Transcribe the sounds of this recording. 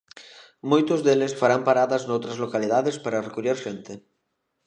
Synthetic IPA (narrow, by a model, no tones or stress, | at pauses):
mojt̪ozðelesfaɾampaɾaðaznowt̪ɾazlokalið̞aðespaɾarekuɾjeɾʃent̪e